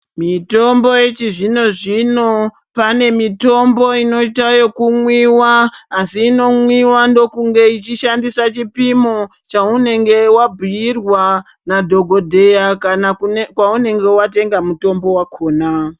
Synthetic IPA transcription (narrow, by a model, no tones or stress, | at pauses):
mito̞mbo̞jet͡ʃiʐino̞ʐino̞ | pane̞mito̞mbo̞ino̞itajo̞kumwiwaːsiːno̞mwiwando̞kuŋɡe̞it͡ʃiʃandisat͡ʃipimo̞ | t͡ʃaune̞ŋɡe̞wabʱujirwa | nadʱo̞ɡʱo̞dʱe̞jakanakwaune̞ŋɡe̞wate̞ŋɡamuto̞mbo̞wakʰo̞ːna